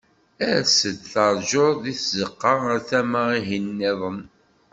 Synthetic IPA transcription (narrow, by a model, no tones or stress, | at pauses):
æɾsəd̪θɑɾˤʒoɾˤðiθzəqːɑʁθæməʁiɦinːɪðˤən